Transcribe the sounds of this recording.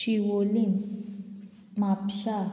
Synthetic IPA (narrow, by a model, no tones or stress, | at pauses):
iwolim | mapʃa